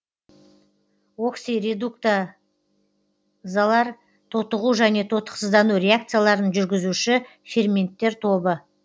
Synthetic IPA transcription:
oksiɾed̪uk̚t̪a | zalˠɑɾ | t̪ʰot̪əʁuʒæne̞t̪ʰo̞t̪ə̥qsəzd̪ɑnuɾʲe̞ak̚t̪sɨjalˠɑɾənʒʏɾɡʲɪzuʃɪ | fʲermʲe̞nt̪ːe̞ɾt̪ʰo̞bə

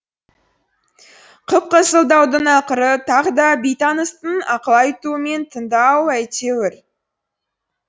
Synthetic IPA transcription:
qʰəp̚qəsəlˠd̪ɑwd̪əɴɑqəɾət̪ʰɑʁəd̪ɑbijt̪ɑnəst̪ənɑqəlˠɑjt̪uəme̞nt̪ʰənd̪ɑwæjt̪ewɪɾ

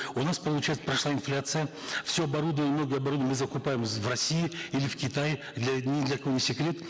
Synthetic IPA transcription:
ʊnaspəlˠʊt͡ɕajɪt̪spɾɐʂlˠaɪnflʲat̪sɨjə | fsʲoɐbɐɾud̪əvənʲmnoɡʲəjɐbɐɾud̪əmɨzəkʊpajɪmvrɐsʲijɪilʲɪfkʲɪt̪aj | d̪lʲɐnʲɪd̪lʲɐkonʲɪsʲɪkɾʲe̞t̪

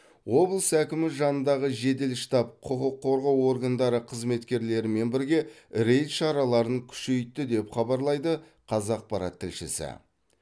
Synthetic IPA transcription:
wo̞blˠəsækʲɪmɪʒɑnənd̪ɑʁəʒe̞d̪e̞lʃt̪ɑp̚qʰʊqəqʰːo̞ɾʁɑwo̞ɾɡand̪ɑɾəqʰəzme̞t̪kʲe̞ɾle̞ɾɪme̞nbɪɾɡʲe̞ | ɾe̞jt̪ʃɑɾɑlˠɑɾəŋkʲʰʏ̥ʃe̞jt̪ːɪd̪e̞pχɑbɑɾlˠɑjd̪ə | qʰɑzɑq̚pɑɾɑ̰t̪ʰːɪlʃɪ̰sɪ̰

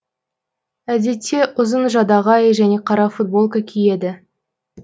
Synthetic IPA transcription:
æd̪e̞t̪ʰːe̞ʔʊzənʒɑd̪ɑʁɑjəʒæne̞qʰɑɾɑfut̪̚bo̞lˠkakʲʰije̞d̪ɪ

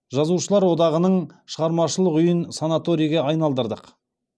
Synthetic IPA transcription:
ʒɑzuʃəlˠɑɾwo̞d̪ɑʁənəɴʃəʁɑɾmɑʃəlˠəqʏjənsanat̪o̞ɾijɡʲeɑjnɑlˠd̪əɾd̪əq

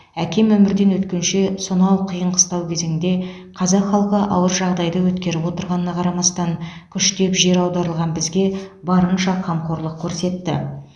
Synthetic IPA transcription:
ækʲe̞mwɵmɪɾd̪e̞nwɵt̪kʲe̞nʃe̞sonɑwqʰəjəɴqʰə̥st̪ɑwkʲʰeze̞ŋɪnd̪e̞ | qʰɑzɑqχɑlˠqəʔɑ̰wəɾʒɑʁd̪ɑjd̪əwɵt̪kʲe̞ɾɪpwo̞t̪əɾʁɑnənɑqʰɑɾɑmɑst̪ɑŋkʲʰʏʃt̪e̞pʒe̞ɾɑwd̪ɑɾəlˠʁɑnbɪzɡʲe̞bɑɾənʃɑqʰɑmqʰo̞ɾlˠəq̚kʲʰɵɾse̞t̪ːɪ̰

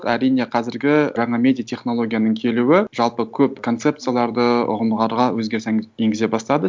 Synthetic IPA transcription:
qæɾijne̞qʰɑzɪɾɡʲɪʒɑɴɑmʲe̞d̪ʲijat̪ʲʰe̞χno̞lˠo̞ɡʲijanəɴkʲʰe̞luwɪʒɑlˠpəkʲʰɵpkʰo̞nt̪se̞p̚t̪sɨjalˠɑɾd̪əʊ̰ʁəmd̪ʁɑɾʁɑwɵzɡʲe̞ɾseje̞ŋɡʲɪze̞bɑst̪ɑd̪ə

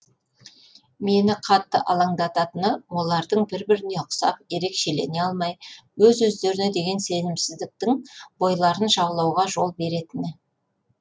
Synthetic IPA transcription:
me̞nɪqʰɑt̪ːəʔɑlˠɑɴd̪ɑt̪ɑt̪ənəwo̞lˠɑɾd̪əɴbɪɾbɪɾɪne̞ʊqsɑ̰p̚je̞ɾe̞kʃe̞le̞̰ne̞ɑlˠmɑjwɵzwɵzd̪e̞ɾɪne̞d̪e̞ɡʲe̞nse̞nɪmsɪzd̪ɪk̚t̪ɪŋbo̞jlˠɑɾənʒɑblˠɑwʁɑʒo̞lˠbe̞ɾe̞t̪ɪnɪ

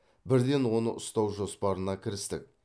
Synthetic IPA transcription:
bɪɾd̪e̞nwo̞nəʔʊst̪ɑwʒo̞spɑɾənɑkʲʰɪɾɪst̪ɪ̰k̚

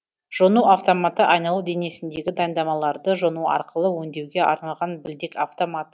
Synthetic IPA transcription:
ʒ̥onuaft̪o̞mat̪əʔɑjnɑlˠud̪e̞ne̞sɪnd̪e̞ɡʲɪd̪ɑjənd̪ɑmɑlˠɑɾd̪əʒo̞nuɑ̰ɾqəlˠəwɵnd̪e̞wɡʲe̞ʔɑ̰ɾnɑlˠʁɑnbɪld̪eka̰ft̪o̞mat̪

